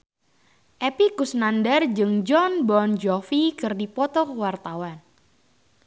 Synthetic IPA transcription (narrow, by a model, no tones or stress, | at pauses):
ʔepikusnandərd͡ʒɨŋd͡ʒɔnbɔnd͡ʒɔfikɨrdipɔt̪ɔkwart̪awan